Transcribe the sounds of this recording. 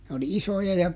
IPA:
n oli isojɑ jɑ

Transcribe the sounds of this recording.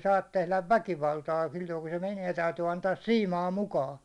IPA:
sɑːt tehlæʋ ʋækiʋɑltɑː silːoiku se menie tæytyː ɑntɑːs siːmɑː mukɑː

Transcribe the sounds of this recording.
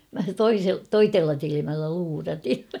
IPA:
mæ toise toitelːɑ tilimælːæ luːrɑtin̞

